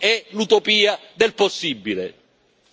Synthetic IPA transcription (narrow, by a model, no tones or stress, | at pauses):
ɛlut̪opiːad̪elposːibːile